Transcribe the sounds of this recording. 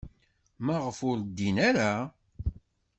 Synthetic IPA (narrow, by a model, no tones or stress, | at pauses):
mæʁəfʊɾd̪ːinaɾa